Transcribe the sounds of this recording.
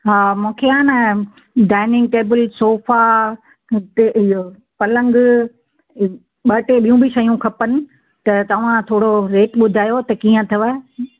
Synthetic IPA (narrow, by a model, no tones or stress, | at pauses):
ɦaːmũːkʰeaːnɐ | ɖaːɪnɪ̃ŋɡ̚ʈeːbəlsoːfa | teo | pɐlə̃ŋɡ | ɓɐʈeɓijũbɪʃɐijũkʰɐpənɪ̆ | t̪ɐt̪ɐʋ̤ãt̪ʰoːɽoɾeːʈɓʊd̪ʱaːjot̪ɐkiːə̃t̪ʰɐʋə